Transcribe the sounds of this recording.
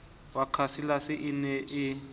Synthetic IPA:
wakʰasilasɪʔinɛʔɪ

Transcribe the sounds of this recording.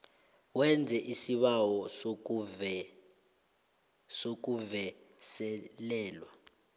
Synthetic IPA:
wɛnd͡zʱɛʔisiɓawɔ | sok̬uvɛsɛlɛːlwa

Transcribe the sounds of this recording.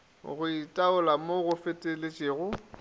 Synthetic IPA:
ɣʊitʼaʊlamoɣʊfɪtʼɪlɪt͡ʃʼɪːɣʊ

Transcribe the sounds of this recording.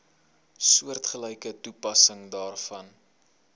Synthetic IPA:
suərtχəlɛjkətupɐsəŋdɑːrfɐn

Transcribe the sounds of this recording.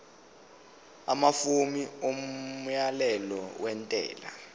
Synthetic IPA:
amafumiomjalɛlɔwɛntʼɛ̰ːla

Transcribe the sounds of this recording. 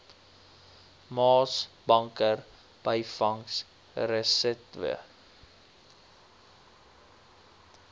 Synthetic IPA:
mɑːsbɐŋkər | b̥əjfɐŋs | rəsɛtvə̰ə

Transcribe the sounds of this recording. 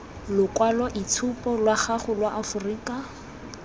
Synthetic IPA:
lʊkwalɔʔit͡sʰupʼɔlwaχaχʊlwaʔafʊriːkʼa

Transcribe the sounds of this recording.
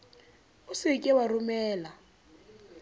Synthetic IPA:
ʊsiikʼɛwarumɛːla

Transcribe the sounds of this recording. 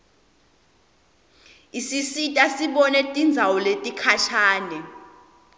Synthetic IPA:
isisitʼasiɓɔnɛtʼind͡zʱawɔletʼikʰaʃʰaːnɛ

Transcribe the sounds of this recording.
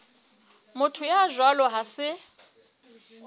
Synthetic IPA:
mʊtʰʊjaʒwalɔɦasɪ

